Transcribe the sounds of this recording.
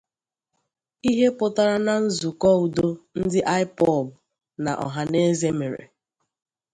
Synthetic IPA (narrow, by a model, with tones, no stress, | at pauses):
i˦ɦe˦pʊ˨ta˦ɾa˦na˨n̩˦zu˨kɔ˦u˨do˦n̩˦dɪ˦ʔa˦ɪ˦pɔ˦˨b | na̰˨ʔɔ̰˨ɦa˨ne˦ze˦me˨ɾḛ˨